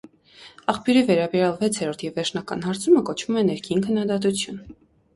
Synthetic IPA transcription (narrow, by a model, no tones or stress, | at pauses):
ɑχpjuɾivɛɾɑbɛɾjɑlvɛt͡sʰɛɾɔɾt̪ʰjɛvːɛɾt͡ʃʰnɑkɑ̰nhɑɾt͡sʰuməkɔt͡ʃʰv̥umɛnɛɾkʰinkʰənːɑd̪ɑt̪ut͡sʰjun